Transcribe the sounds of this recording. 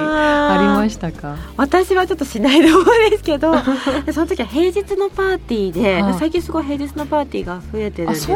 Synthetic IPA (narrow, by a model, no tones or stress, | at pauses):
aaɾʲimaɕi̥t̪akaβat̪aɕiβat͡ɕo̞t̪ːo̞ɕinaid̪oːmoĩd̪esɨ̥ke̞d̪o̞d̪eso̞not̪o̞kʲiβahe̞ːd͡ʑit͡sɨno̞paːt̪ʲiːd̪e̞masaikʲĩɰ̃sɨɡo̞iɦe̞ːʑit͡sɨno̞paːt̪ʲiːɡaɸɯ̟e̞t̪e̞ɾɯ̟